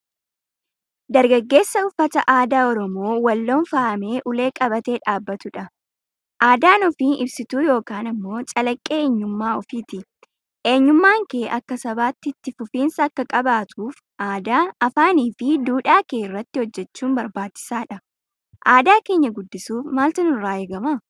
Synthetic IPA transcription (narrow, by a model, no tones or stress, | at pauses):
d̪ɐɾɡɐɡːe̞ːsːɐʊfːɐt̪ɐʔaːd̪aːɔɾɔmo̞ːwɐlːo̞ːnfaːʔɐmeːʔʊle̞ːkʼɐβɐt̪e̞ːᶑaːbːɐt̪ʊᶑɐ | ʔaːd̪aːnɔfiːnʔɪbsɪt̪uːjo̞ːkaːnɐmːo̞ːt͡ʃʼɐlɐkʼːeːeːɲːʊmːaːɔfiːt̪ɪ | ʔe̞ːɲːʊmːaːŋke̞ːʔɐkːɐsɐbaːt̪ːɪt̪ːɪfʊfiːnsɐːkːɐkʼɐbaːt̪ʰuːf | ʔaːd̪aːɐfaːniːfɪd̪uːᶑaːke̞ːɪrːɐt̪ːɪhɔd͡ʒːɛt͡ʃːuːmbɐɾbaːt͡ʃːɪ̥saːᶑɐ | ʔaːd̪aːke̞ːɲːɐɡʊd̪ːɪsuːfmaːlt̪ɐnʊrːaːjɪɡɐmɐ